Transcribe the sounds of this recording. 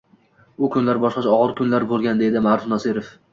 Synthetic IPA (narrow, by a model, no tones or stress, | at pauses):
ʊkʰʊnlaɾbɒʃqɑt͡ʃɒʁɨɾkʰʊnlaɾbolˠɡʲand̪e̞d̪ɪmaɾʊfnɒsɪɾof